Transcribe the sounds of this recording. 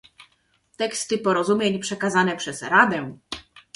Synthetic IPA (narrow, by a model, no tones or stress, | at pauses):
t̪ɛkst̪ɘpɔɾɔzumʲjeɲpʂɛkazanɛpʂɛzɾad̪ɛ̃